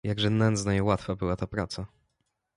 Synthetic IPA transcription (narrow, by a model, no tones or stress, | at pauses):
jaɡʐɛnɛnd̪znajɛwat̪fabɘwat̪apɾat̪sa